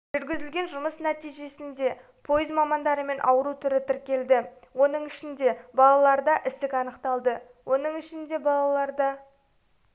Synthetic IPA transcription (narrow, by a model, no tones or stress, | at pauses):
ʒʏɾɡʲɪzɪlɡʲe̞nʒʊməsnæt̪ijʒe̞sɪnd̪e̞ | pʰo̞jɪzmɑmɑnd̪ɑɾəme̞nʔɑ̰wəɾut̪ʰʏɾɪt̪ʰɪɾkʲe̞ld̪ɪwo̞nəɴɪʃɪnd̪e̞bɑlˠɑlˠɑɾd̪ɑʔɪst̪ɪkʲɑnəqt̪ɑlˠd̪ə | wʔo̞nəɴɪʃɪnd̪e̞bɑlˠɑlˠɑɾd̪ɑ